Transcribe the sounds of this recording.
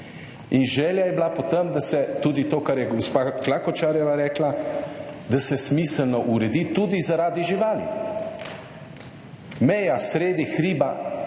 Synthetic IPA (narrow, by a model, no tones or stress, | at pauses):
inʒɛːljajɛblapɔt̪əmd̪asɛt̪uːd̪it̪oːkaɾjɛɡospaklakɔt͡ʃaːɾjɛʋaɾɛːkla | d̪asɛsmiːsəlnɔʔuɾɛd̪it̪uːd̪izaɾaːd̪iʒiʋaːlḭ | mɛjasɾeːd̪ixɾiːba